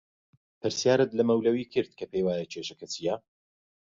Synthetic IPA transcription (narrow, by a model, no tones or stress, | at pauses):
pɨɾsijaːɾɨt̪lɐmɐwlɐwiːkʰɨɾd̪̚kʰɐpejwaːjɐt͡ʃʰeːʃɐkʰɐt͡sija